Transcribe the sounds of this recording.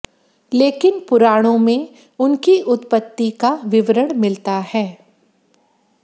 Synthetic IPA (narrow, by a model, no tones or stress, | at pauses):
leːkɪnpʊɾaːɽ̃õmẽ | ʊnkiʔʊt̪pət̪ːikaʋɪʋɾəɽ̃mɪlt̪ahɛː